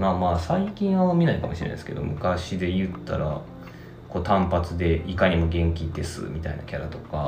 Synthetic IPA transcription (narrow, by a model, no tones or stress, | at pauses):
mamaːsaikʲĩɰ̃βanomʲinaikamo̞ɕiɾḛn̰d̪eske̞d̪o̞mʔɯ̟kaɕid̪e̞jɯ̟t̪ːa̰ɾa̰ | ko̞ːt̪ãmpat͡sɨd̪e̞ʔikaɲ̟imo̞ɡẽ̞ŋkʲid̪e̞sɨ̰mʲit̪aḭna̰kʲaɾat̪o̞ka